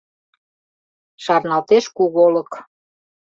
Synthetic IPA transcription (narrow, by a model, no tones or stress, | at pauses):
ʃɑrnɑlt̪eʃkuɣolək